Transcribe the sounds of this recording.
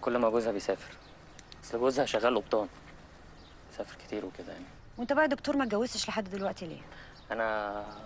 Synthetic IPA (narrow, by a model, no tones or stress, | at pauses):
kolːmæɡozhæbejsæːfe̥ɾ | æsleɡozhæʃæɣːæːlʔob̚t̪ˤɑːn | esæːfeɾke̥t̪iːɾweked̪æ̰ja̰ʕni | went̪æbaʕd̪okt̪oːɾmæt̪̚ɡæwːest̪eʃleħad̪ːd̪elwæʔt̪ilḭː | ʔænæ